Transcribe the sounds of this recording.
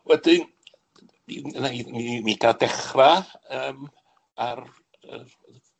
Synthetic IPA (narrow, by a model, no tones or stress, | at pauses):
wɛdɪn | iənaimimiɡadɛχraəəːm | ar | ə̰